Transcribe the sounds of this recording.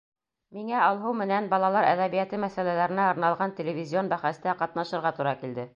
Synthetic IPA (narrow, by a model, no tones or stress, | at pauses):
miŋæɑlˠɦɤwmɘ̆nænbɑlˠɑlˠɑɾæ̰ðæβijæt̪ɘmæsælælæɾɘ̆næɤ̆ɾnɑlˠʁɑnt̪ʲĕlʲɪvʲɪzʲio̞nbæχæst̪æqɑt̪nɑʃɤ̆ɾʁɑt̪uɾɑkild̪ɘ